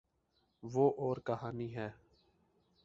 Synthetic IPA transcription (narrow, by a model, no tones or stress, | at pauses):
ʋoːʔɔːɾkəɦaːniɦɛː